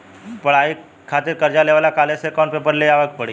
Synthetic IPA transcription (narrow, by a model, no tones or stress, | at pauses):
pəɳaɦi | kʰat̪iːɾkəɾd͡ʑaleʋalakalesekɔɳpepəɾleaʋək̚pəɽi